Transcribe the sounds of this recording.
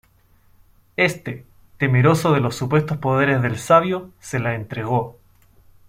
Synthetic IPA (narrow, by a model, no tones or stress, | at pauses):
e̞st̪e | t̪emeɾo̞soðe̞lo̞sːupwe̞st̪ospo̞ðeɾezðelsaβjoselaent̪ɾeɣ̞o̞